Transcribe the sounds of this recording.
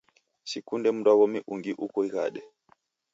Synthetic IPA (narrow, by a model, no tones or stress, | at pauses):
sikundɛm̩daɣɔmiʔuŋɡiʔukɔiɣa̰ɗɛ